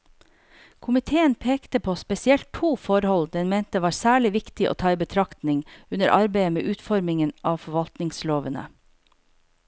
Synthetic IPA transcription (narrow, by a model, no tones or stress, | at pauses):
kʰʊmɪt̪ʰeːənpʰeːkt̪əpʰoːspɛsɪɛlt̪ʰuːfɔɾhɔld̪ɛnmeːnt̪əʋɑːɾsæːɭɪʋɪkt̪ɪʔo̰ːt̪ʰɑːiːbət̪ʰɾɑkt̪nɪŋʉnəɾʔɑɾbeɪəmḛːʔʉːt̪fɔɾmɪŋənʔɑːʋfɔʋɑlt̪nɪŋsloːʋənə̰